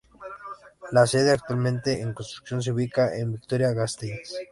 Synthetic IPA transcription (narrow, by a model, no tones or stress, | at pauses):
laseðeak̚t̪walmẽnt̪eeŋkonst̪ɾu̥ksjo̞ns̬iuβikaʔembik̚t̪oɾjaɣast̪ens